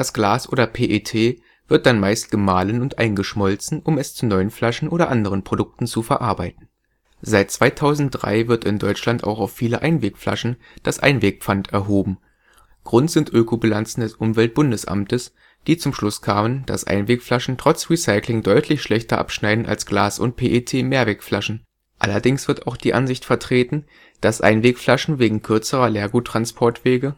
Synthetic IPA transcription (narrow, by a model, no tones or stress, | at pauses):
d̥asɡ̥laːsʔoːdɐpʰeːʔetʰeː | v̥ɪɐt̚d̥anmaɪst̚ɡ̥əmaːlənʊntʔa̰ɪnɡəʃmɔlt͡sn̩ʔʊmɛst͡sunɔʏənflaʃn̩ʔoːɾɐʔandəʁ̞ənpʁ̥odʊk̚tn̩t͡sufɛɐʔaɐbaɪtn̩ | z̥aɪt̚t͡sv̥aɪtʰaʊzn̩t̚d̥ʁa̰ɪvɪɐtɪndɔʏt͡ʃlanta̰ʊxaʊfːiːləʔaɪnveːkfla̰ʃn̩ | d̥asʔa̰ɪnveːk̚pp͡fantʰɛɐɦoːbm̩ | ɡ̥ʁʊntz̥ɪntʔøːkʰoblant͡sn̩dɛsʔʊmvɛlt̚b̥ʊndəsʔa̰mtəs | d̥iːt͡sʊmʃlʊskʰaːmənd̥a̰sʔa̰ɪnveːkflaʃn̩tʁ̥ɔt͡sʁisaɪklɪŋdɔʏtʰlɪçʃlɛçtɐʔa̰pʃnaɪdn̩a̰lsɡ̥laːsʊ̰nt̚pʰeːʔetʰeːmeːɐvɛːkflaʃn̩ | ʔalɐdɪŋsv̥ɪɐtaʊxd̥iːʔanzɪçtfɛɐtʁ̥eːtn̩ | d̥asʔa̰ɪnveːkflaʃn̩veːɡŋ̩kʰʏɐt͡səʁɐleːɐɡuːtːʁ̥anspʰɔɐtv̥eːɡə